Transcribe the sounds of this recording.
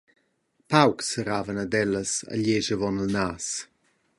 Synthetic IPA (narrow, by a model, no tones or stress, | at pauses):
pawksəɾaːvənədɛləsə̰ʎeʒəvɔnəlnaːs